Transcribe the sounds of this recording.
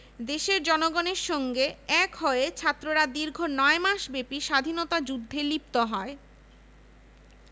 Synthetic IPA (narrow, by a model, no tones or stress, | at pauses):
d̪eʃeɾd͡ʑɔnoɡoneɾʃɔŋɡeɛkɦɔeet͡ɕʰat̪ːɾoɾad̪iɾɡʱonɔemaʃbepiʃad̪ʱinot̪ad͡ʑud̪ʱːelipt̪oɦɔe